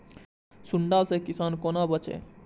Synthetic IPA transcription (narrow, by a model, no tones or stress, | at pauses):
suɳɖasekisankonabʌt͡ʃḛ